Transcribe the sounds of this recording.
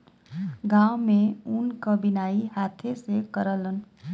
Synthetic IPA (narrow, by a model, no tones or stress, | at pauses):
ɡãːwmẽʊnkəbɪnaːiɦaːt̪ʰesekəɾələn